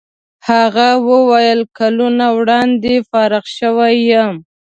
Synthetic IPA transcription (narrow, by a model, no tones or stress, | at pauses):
haɣawəwajəlkalunawɽɑnd̪efɑɾɪɣʃəwajəm